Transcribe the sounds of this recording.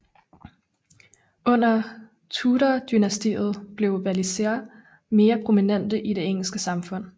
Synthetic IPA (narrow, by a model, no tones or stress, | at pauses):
ɔ̽n̰ɐ | t͡sʰuːɾɐd̥ynæsd̥ḭːð̞̩ˠb̥le̝ʊʋælisḛɐ | me̝ːɐpʰʁo̝minen̰d̥əʔiɾ̥e̝eŋ̰l̩sɡ̥əsɑ̈mfɔ̽n̰